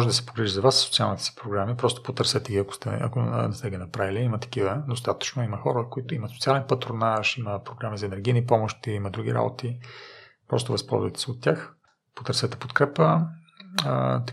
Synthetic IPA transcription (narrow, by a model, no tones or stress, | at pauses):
mɔʒɛd̪ɐsɛ̥poɡɾiʒizɐvassot̪sialˠnit̪ɛ̥si̥pɾoɡɾamipɾɔst̪o̥pot̪əɾsɛt̪ɛɡʲiɐko̥st̪ɛ̰ɐ̰konɛst̪ɛɡʲinɐpɾaviliimət̪ɐ̥kivəd̪ost̪at̪ə̥t͡ʃnoiməxɔɾəkoit̪ʊimɐt̪so̥t̪ialɛnpɐt̪ɾonaʃiməpɾoɡɾamizɐɛnɛɾɡʲijnipɔmoʃt̪iimɐd̪ɾuɡʲḭɾa̰bo̰t̪i | pɾɔst̪ovɐspɔ̰lˠzvə̰jt̪ɛ̥sɛot̪ːʲax | po̥t̪əɾsɛt̪ɛ̥pot̪kɾɛpə | t̪